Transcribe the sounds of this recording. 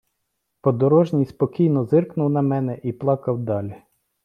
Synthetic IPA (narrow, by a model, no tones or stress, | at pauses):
pɔd̪ɔɾɔʒnʲijspɔkʲijnɔzɪrknʊwnɐmɛnɛʔiplˠɑkɐwd̪ɑlʲi